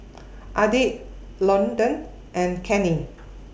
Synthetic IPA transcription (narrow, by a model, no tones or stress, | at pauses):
ʔadiʔ | lɔ̃ndə̃n | ʔɛ̃nkʰɛ̃nĩn